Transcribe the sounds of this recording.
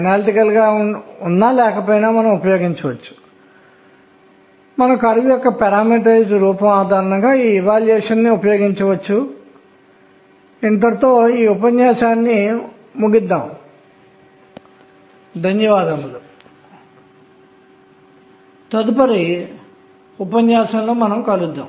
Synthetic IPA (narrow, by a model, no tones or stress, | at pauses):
ɐnaːliʈikɐlɡaːunːaːlɛːkɐpoːjnaːmɐnɐmupɐjo̞ːɡiɲt͡ʃɐʋɐt͡ʃːu̥ | mɐnɐmkɐɾʋujɔkːɐpɛɾaːmiʈɐd͡ʒɾuːpɐmaːd̪ʱaːɾɐɳɐŋɡaːiːʋaːljeːʂɐnːiupɐjo̞ːɡiɲt͡ʃɐʋɐt͡ʃːu | int̪̬ɐɾt̪o̞ːiːupɐɲjaːʃaːnːi | muɡid̪ːaːm | d̪ɐnjɐʋaːd̪ɐmːulu | t̪ɐd̪upɐɾi | upɐɲjaːʃɐnlo̞ːmɐnɐmkɐlud̪ːa̰ːm